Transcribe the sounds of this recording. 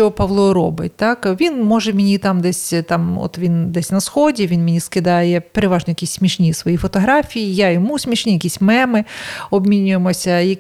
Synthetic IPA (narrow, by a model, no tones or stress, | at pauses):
ɔɦɔpɐʋlˠɔɾɔbɪ̰tʲt̪ɑkʋʲinmɔʒɛmʲɪnʲit̪ɑmd̪ɛsʲt̪ɑmɔ̰t̪ʋʲind̪ɛsʲnɐsxɔdʲiʋʲinmʲɪnʲiskɪd̪ɑjɛpeɾeʋɑʒnɔjɐkʲisʲsʲmʲiʃnʲisʋɔjifɔt̪ɔɦɾɑfʲijijajɔmusʲmʲiʃnʲijɐkʲisʲmɛmɪɔbmʲinʲʊjemɔsʲɐjɐ